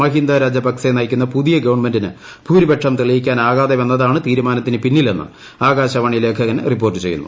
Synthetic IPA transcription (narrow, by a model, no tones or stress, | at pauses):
ɐɦind̪aːɾaːd͡ʑɐbɐksenɐjkʲːunːɐpuðijɐɡɐʋɐɳme̞ndinɨ | bʱuːɾibeʈʂɐmt̪iɭijikʲːaːnaːɣaːd̪eʋe̞nːɐðaːɳɨt̪iːɾumaːnɐt̪ːinɨpinːile̞nːɨ̰ | aːɣaːɕɐʋɐɳile̞ːkʰɐɣɐnripːoːrtːɨt͡ɕe̞jːṵnːṵ